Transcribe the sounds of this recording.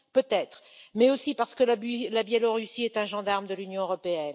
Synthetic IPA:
pøt̪ɛt̪χmɛosipaʁsə̥kəlablabjɛlɔʁysiɛt̪ɛ̃ʒɑ̃d̪aʁmd̪əlynjɔ̃øʁɔpeɛn

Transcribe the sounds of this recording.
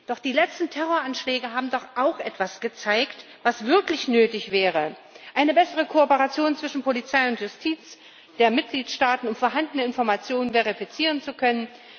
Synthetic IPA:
d̥ɔχd̥iːlɛt͡stn̩tʰɛʁoːɐʔanʃlɛːɡəɦaːbm̩dɔχʔaʊxʔɛtv̥asɡ̥ət͡saɪkt | vasv̥ɪɐklɪçnøːtɪçv̥ɛːʁə | ʔaɪnəbɛsəʁ̞əkʰoːpəʁat͡sjoːnt͡sv̥ɪʃn̩pʰolit͡saɪʊntjʊstʰiːt͡s | d̥eːɐmɪt̚ɡ̥liːtʃtaːtn̩ʊmfoːɐɦandənəɪnfɔɐmat͡sjoːnənveʁifit͡siːʁ̞ənt͡sukʰœnən

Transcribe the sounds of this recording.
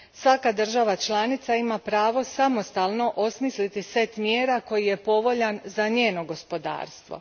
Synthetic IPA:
sʋakad̪r̩ʒaʋat͡ʃlˠanit̪saimapɾaːʋo̞samo̞st̪alˠno̞ʔo̞smislit̪ise̞t̪mjeːɾako̞jije̞po̞ʋo̞ʎanzaɲe̞ːno̞ɡo̞spo̞d̪a̰ːɾst̪ʋo̞̰

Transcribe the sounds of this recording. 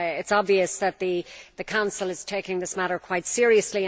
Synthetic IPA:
ɪtsɑbviɨsðət̪̚ðɨðɨkʰãʊ̃nsəl̩ˠɨz̥tʰeɪkɪ̃ŋðɪsmæɾə˞kʰw̥aɪtsɪɹiɨslĩ

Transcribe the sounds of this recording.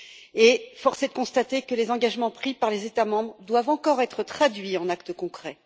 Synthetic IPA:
efɔʁsed̪əkɔ̃st̪at̪ekəlezɑ̃ɡaʒmɑ̃pχipaʁlezet̪amɑ̃bʁəd̪wavɑ̃kɔʁɛt̪χət̪χad̪ɥiɑ̃nakt̪əkɔ̃kχɛ

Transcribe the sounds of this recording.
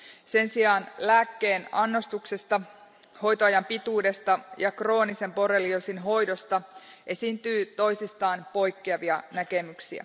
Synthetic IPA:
se̞nsiɑːnlæːkːe̞ːnɑnːo̞st̪uksest̪ɑ | ho̞jt̪oɑjɑmpit̪uːde̞st̪ɑjɑkro̞ːnise̞mpo̞reliosinɦo̞jdo̞st̪ɑʔe̞sint̪yːt̪o̞jsist̪ɑːnpo̞jkːeɑʋiɑnæke̞myksiæ̰

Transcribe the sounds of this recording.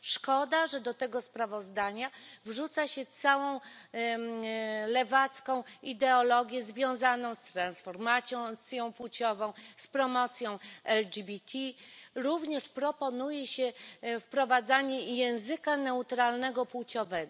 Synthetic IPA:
ʂkɔd̪aʐɛd̪ɔt̪ɛɡɔspɾavɔzd̪aɲavʐut̪saɕɛt̪sawɔ̃w̃ | lɛvat̪skɔ̃w̃id̪ɛɔlɔɡʲjɛzvʲjɔ̃w̃zanɔ̃w̃st̪ɾansfɔɾmat̪sʲjɔ̃t̪sʲjɔ̃w̃pwut͡ɕɔvɔ̃w̃spɾɔmɔt̪sʲjɔ̃w̃ɛld͡ʒibʲit̪ʲʰiɾuvɲɛʂpɾɔpɔnujɛɕɛfpɾɔvad̪zaɲɛjɛ̃w̃zɘkanɛut̪ɾalnɛɡɔpwut͡ɕɔvɛɡɔ

